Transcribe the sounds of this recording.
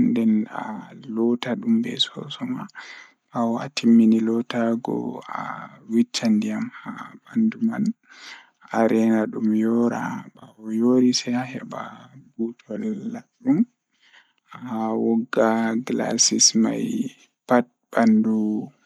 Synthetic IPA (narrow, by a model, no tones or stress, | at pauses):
ndɛna̰lɔtaɗumbɛ̰sɔ̰sɔma | ɓawɔa̰tʰimːinilɔtaɡɔ̰a̰wit͡ʃːandijamhabanduma̰n | ʔaɾɛnaɗumjɔɾa̰ɓawɔjoɾisɛahɛbabutʰɔlːaɗum | ʔaawɔɡːaɡla̰sisma̰j | pat̚bandu